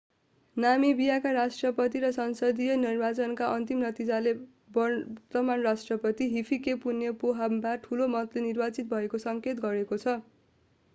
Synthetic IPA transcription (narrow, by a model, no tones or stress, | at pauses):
namibijakaɾasʈrʌpʌt̪iɾʌsʌnsʌd̪ijʌnirbat͡sʌnkaʔʌnt̪imnʌt̪id͡zale | bʌt̪ʌmanrasʈrʌpʌt̪iɦipʰikepunjʌpoɦambaʈʰulomʌt̪lenirbat͡sit̪̚bʱʌekosʌŋket̪ɡʌɾekot͡sʰʌ